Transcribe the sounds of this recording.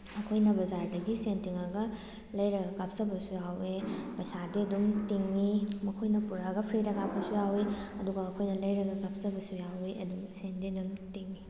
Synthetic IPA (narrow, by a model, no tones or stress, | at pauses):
ɐkʰojnɐbɐzaɾdɐɡisentiŋɐɡɐ | lɐjɾɐɡɐɡap̚sɐbɐsujawepɐjsadiɐdumtiŋmimɐkʰojnɐpuɾaɡɐpʰɾidɐɡapːɐsujawiɐduɡɐːkʰojnɐlɐjɾɐɡɐɡap̚sɐbɐsujawiʔɐduɡɐsendiɐdumtiŋmi